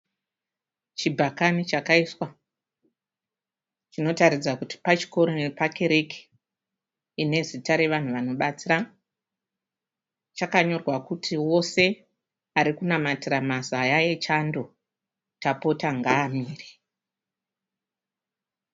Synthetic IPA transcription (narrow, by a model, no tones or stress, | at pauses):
t͡ʃibʱakanit͡ʃakaiswa | t͡ʃino̞taɾid͡zakuti̥pat͡ʃi̥ko̞ɾonepake̞ɾe̞ki̥ | ine̞zitaɾe̞ʋan̤uʋano̞ɓat͡sira | t͡ʃakaɲo̞rwakutʰiwo̞se̞ | aɾikunamatiramazajajet͡ʃando̞ | tapo̞taŋɡaːmiːre